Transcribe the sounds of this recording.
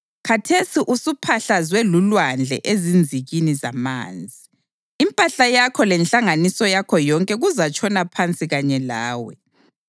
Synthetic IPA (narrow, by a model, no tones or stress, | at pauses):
kʰatʰesiʔusupʰaɬazwelulwand͡ɮʱɛ̰ʔezind͡zʱiɣiniza̰ma̰ːnd͡zʱiː | mpʼaɬajakʰɔlɛnɬaŋanisɔjakʰɔjɔŋkʼɛɣuzat͡ʃʼʰɔnapʰant͡sʼiɣaɲɛlaːwɛ̰